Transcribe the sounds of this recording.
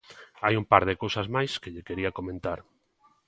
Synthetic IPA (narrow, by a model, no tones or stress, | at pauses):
ajumpaɾð̞ekowsazmajskeʎekeɾiakomẽnt̪aɾ